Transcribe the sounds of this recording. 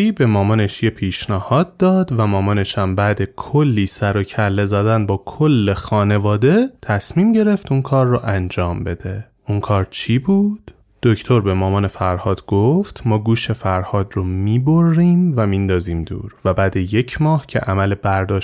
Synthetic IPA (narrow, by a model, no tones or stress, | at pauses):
iːbe̞mɒːmɒːne̞ʃje̞pʰiːʃnæhɒːd̪̚d̪ɒːd̪væmɒːmɒne̞ʃæmbæːd̪e̞kʰolːiːsæɾocʰælːe̞zæd̪ænbɒːkʰolːe̞xɒːne̞vɒːd̪e̞t̪ʰæsmiːmɟe̞ɾe̞ft̪unkʰɒːɾːoʔænd͡ʒɒːmbe̞d̪̥e̞ | ʔuŋkʰɒːɾt͡ʃʰiːbuːd̪̥ː | o̞cʰt̪ʰo̞ɾbe̞mɒːmɒːne̞fæɾhɒːd̪ɡoft̪ʰmɒːɡuːʃe̞fæɾhɒːd̪romiːbo̞rːiːmvæmind̪ɒːziːmd̪ṵːɾvæbæːd̪e̞je̞cʰmɒːhcʰe̞̰ʔæmæle̞bæɾd̪ɒːʃ